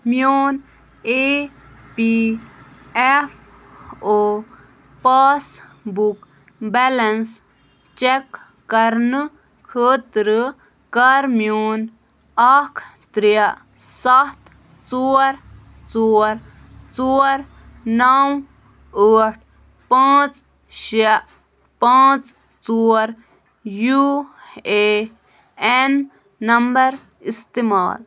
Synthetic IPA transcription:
mjoːn | e | pi | ef | o | paːsbuk | bɛlɐns | t͡ʃekː | ɐɾnɨ | kʰəːt̪ɾɨ | kɐɾmjoːn | akʰt̪ɾija | sɐt̪ | t͡suːɾ | t͡suoːɾ | t͡suɾ | nɐw | əːʈʰ | paːt͡s | ʃiɐʔ | pãːt͡s | t͡suːɾ | ju | e | enː | ɐmbɐɾ | ist̪ima̰ːl

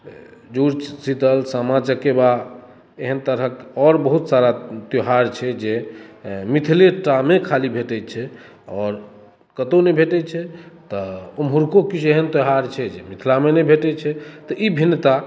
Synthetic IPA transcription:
d͡ʒuɾt͡ʃsit̪əlsamat͡ʃəkːeba | eɦənt̪əɾɦəkɔɾbəɦut̪saɾat̪joɦaɾt͡ʃʰɛd͡ʒe | mit̪ʰileʈamekʰalibʱeʈɛt͡ʃʰɛ | ɔɾ | kət̪onɛbʱeʈɛt͡ʃʰɛt̪ɔumɦuɾkokit͡ʃʰeɦənt̪joɦaɾt͡ʃʰɛd͡ʒemit̪ʰlamenɛbʱeʈɛt͡ʃʰɛt̪ɔʔibʱinːət̪a

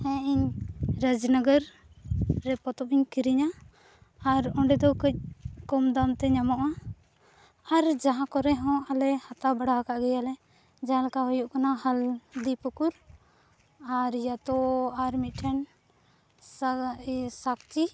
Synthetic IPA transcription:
hɛ̃iɲɾəd͡ʒnəɡəɾː | ɛpɔt̪ɔpiɲkiɾiɲaː | ɾɔ̃ɳɖɛd̪ɔkəc̚ˀkɔmd̪amt̪ɛɲamɔʔa | ɾd͡ʒaɦãkɔɾɛɦɔ̃ʔalɛhat̪abaɽaɦakaʔɡɛjalɛ | d͡ʒaãlɛkaɦɔjɔʔkanahald̪ipukuɾ | aɾijat̪ɔaɾmit̪̚ʈʰɛn | s | sakt͡ʃi

